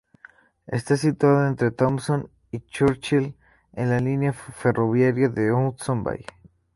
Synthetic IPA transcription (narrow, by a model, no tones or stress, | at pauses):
e̞̰st̪asit̪waðoe̞nt̪ɾe̞t̪omson | it͡ʃuɾt͡ʃil | ḛnlalinjafe̞roβjaɾjaðeosomba̰j